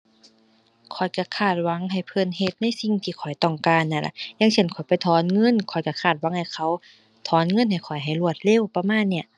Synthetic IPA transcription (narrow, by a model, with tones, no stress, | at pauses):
kʰɔ˨˩jka˧˩kʰaː˧˩t̪̚wa˨˦˥ŋɦa˨˩jpʰɤ˧˨nhe˧˩t̪̚na˧˥˨jsi˧˨ŋt̪ʰiː˧˩kʰɔ˨˩jt̪ɔ˧˩ŋkaː˧˥˨nːa˧˩la̰˧˩ja˧˥˨ŋsʰe˧˥˩nkʰɔ˨˩˦jpa˧˩jt̪ʰɔː˧˦nŋɤ˧˥˨nkʰɔ˨˩jka˧˩kʰaː˧˩t̪̚wa˧˦ŋha˨˩jkʰa˧˥˨w | t̪ʰɔː˨˦nŋɤ˧˥˨nha˨˩jkʰɔ˨˩jɦa˨˩jlu˧˩ət̪̚le˧˥˨wpa˧maː˧˥˨nːi˧˩ɐ